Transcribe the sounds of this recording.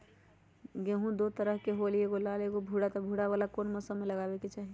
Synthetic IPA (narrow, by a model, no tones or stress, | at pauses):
ɡeɦũd̪ot̪əɾəɦkeɦolieɡolaleɡobʱuɽat̪ɔbʱuɽaʋalakonməsəmeləɡaːbeket͡ʃaɦi